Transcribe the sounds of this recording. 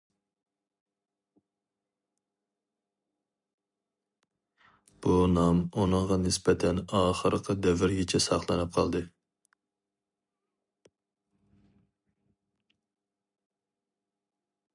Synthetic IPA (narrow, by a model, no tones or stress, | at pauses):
b̥unɑmunɨŋʁɑnɪspɛt̪ʰɛnɑːχəɾqʰəd̪ɛvɪɾɡʲɛt͡ʃʰɛsɑχlˠɨnɨp̚qʰɑlˠd̪ɨ